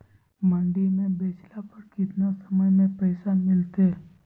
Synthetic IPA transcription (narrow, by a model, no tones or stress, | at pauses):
maɳɖinebeslapəɾkit̪nasəməjmepəjsamilt̪el